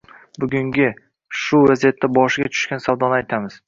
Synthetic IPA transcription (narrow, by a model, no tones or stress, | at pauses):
bʊɡʲʊŋɡʲɪ | ʃʊvazijat̪ʰːabɒʃɪɡʲat̪ʰʊ̥ʃkʲansawd̪ɒnɪajt̪ʰamɪz̥